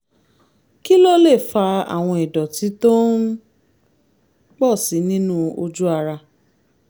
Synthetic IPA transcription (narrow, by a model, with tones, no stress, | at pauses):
ki˦lo˦le˦˨fa˧a̰˨w̃ɔ̃˧i˨dɔ˨ti˨˦to˦n | k͡pɔ˦˨si˨˦nĩ˦nũ˦o˧d͡ʒu˦a˧ɾa˧